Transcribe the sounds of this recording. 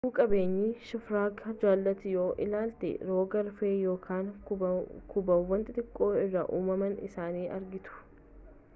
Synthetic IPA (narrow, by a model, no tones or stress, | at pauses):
uːkʼɐbe̞ːɲːiːʃɪfɾaːkɐd͡ʒaːlːɐt̪ɪjo̞ːʔɪ̰laːlt̪ɛ̰ɾo̞ːɡɐɾfeːjo̞ːkʰaːŋ | kʰʊbɐwːɐnt̪ʼɪt̪ʼɪkʼːo̞ːɪrːɐʔuːmɐmɐnɪ̰saːniːʔɐɾɡɪt̪ʊ̥